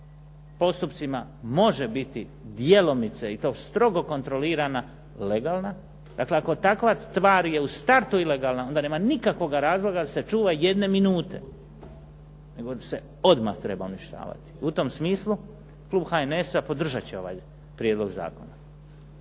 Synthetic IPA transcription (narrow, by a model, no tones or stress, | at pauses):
po̞st̪upt̪simamo̞ʒe̞bit̪i | d̪jelo̞nit̪seit̪o̞ːst̪ɾo̞ɡo̞ko̞nt̪ɾo̞liːɾana | le̞ɡaːlna | d̪a̰kle̞ako̞t̪akʋast̪ʋaːɾje̞ust̪aɾt̪uile̞ɡaːlnao̞nd̪ane̞ːmanikakʋo̞ɡaɾaːzlˠo̞ɡad̪ase̞t͡ʃuːʋaje̞d̪ne̞minuːt̪e̞̰ | ne̞ɡo̞d̪ase̞ | o̞d̪ma̰xt̪ɾe̞bauniʃt̪a̰ːʋa̰t̪i̥ut̪o̞msmiːslˠu | kluːbxaenesapo̞d̪r̩ʒat͡ɕeo̞̰ʋa̰ːj | pɾjed̪lo̞ɡza̰ːko̞na